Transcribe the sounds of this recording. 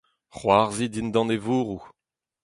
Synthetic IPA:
χwaʁzid̪ind̪ɑ̃nevuːʁu

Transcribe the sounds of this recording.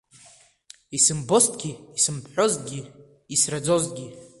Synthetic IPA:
isɨmbo̞stʼɡʲiisɨmpʰħʷᶣozɡʲiː | srad͡zo̞zɡʲi

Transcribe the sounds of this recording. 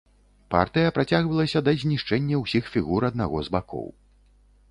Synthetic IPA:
pa̰rt̪ɨjɐpɾat͡sʲaɣvɐlˠɐsʲɐd̪ɐzʲnʲiʂt͡ʂɛnʲːɐwsʲixfʲiɣuɾɐd̪̚naɣɔzbakɔ̰w

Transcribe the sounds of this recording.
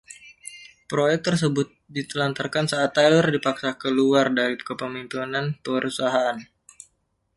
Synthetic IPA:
pɾojɛk̚t̪ərs̬əbʊt̪̚dit̪əlant̪arkansaʔːt̪ːalərdipaksakəluardaɾikəpəmimpinanpəɾusaɦaʔan

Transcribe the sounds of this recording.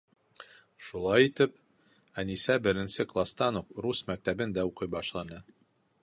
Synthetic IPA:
ʃulˠɑjit̪ɘp̚ | ænisæbɘ̆ɾɘ̆nsɘklˠast̪ɑnufɾusmæk̚t̪æbɘnd̪æuqɤjbɑʃlˠɑnɤ

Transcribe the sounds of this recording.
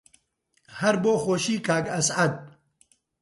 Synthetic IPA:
hɐɾboːxoːʃiːkʰaːkɐsɐd̪̚

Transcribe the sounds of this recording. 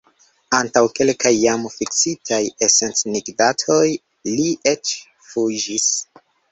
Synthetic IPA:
antawke̞lkajːamfiksitʰajese̞nt͡sniɡdatʰo̞j | liʔe̞t͡ʃ | fud͡ʒis

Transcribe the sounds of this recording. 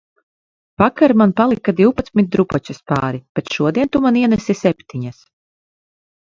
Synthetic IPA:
pakaɾmanpalˠikad̪iwpat̪smʲit̪̚d̪ɾupɔt͡ʃaspa̰ːɾib̥ɛt̪ʃuɔd̪iɛnt̪umaniɛnɛsisɛpʲt̪iɲas

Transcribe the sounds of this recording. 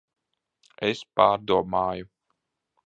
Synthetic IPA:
espaːɾd̪uɔmaːju

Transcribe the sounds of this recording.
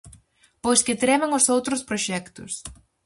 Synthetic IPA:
pojskɪt̪ɾɛmɐŋʊsowt̪ɾʊspɾoʃɛkt̪ʊ̰s

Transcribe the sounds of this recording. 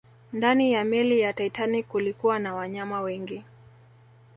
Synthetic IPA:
ndanijamɛlijataitanikulikuwanawaɲamawɛŋɡi

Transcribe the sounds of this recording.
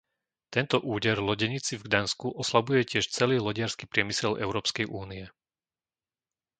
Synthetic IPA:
t̪ɛnt̪ɔʔuːɟɛɾlɔɟɛɲit͡sivɡd̪anskuʔɔslabujɛcɪɛʃt͡sɛliːlɔɟɪaɾskipɾɪɛmisɛlɛ̰ʊɾɔːpskɛjʔuːniɛ

